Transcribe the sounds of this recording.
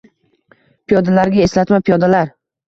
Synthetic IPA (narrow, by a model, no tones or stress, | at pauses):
pʰijɒd̪alaɾɡʲaeslat̪mapʰijɒd̪alaɾ